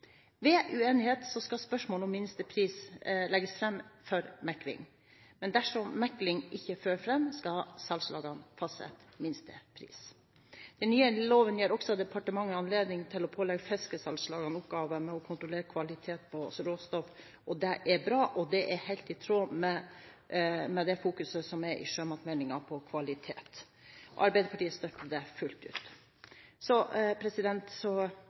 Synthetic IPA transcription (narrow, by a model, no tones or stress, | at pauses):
ʋɛʔʉeːnɪheːt̪sɔskɑspœʂmoːlɔmːɪnst̪əpʰɾiːslɛɡəsfɾɛmːfɔɾmɛkːlɪ̰ŋ | mɛnd̪æʂɔmːɛkːlɪŋʔɪçːəføːɾfɾɛmːskɑsɑlslɑ̰ːɡɑnfɑsɛ̰t̪mɪnst̪əpʰɾḭːs | d̪̥ɛnnːyːəloːʋənjeːɾɔksɔd̪ɛpʰɑʈəmɑŋːəɑnleːd̪nɪŋt̪ʰɪlɔpʰoːlɛɡfɛskəsɑlslɑːɡɑnʊpɡɑːʋəmɛɔkʰʊnt̪ɾɔleːɾəkʰʋɑlɪt̪ʰeːt̪̚pʰɔst̪ɾoːst̪ɔf | ɔd̪ɛʔɛɾbɾɑːʔɔd̪ɛʔɛɾhæɪlt̪ɪt̪ʰɾoːmɛ | mɛd̪ɛfuːkʉsəsɔmɛɾʔɪ̰ʂøːmɑt̪mæɪnɪŋɑpʰɔkʰʋɑlɪt̪ʰḛːt̪ | ʔɔ̰ʔɑɾbæɪd̪əɾpʰɑʈiːəst̪œkːəd̪ɛfʉlt̪ʉ̰ːt̪ | sɔpʰɾɛsɪd̪ɛnt̪sɔ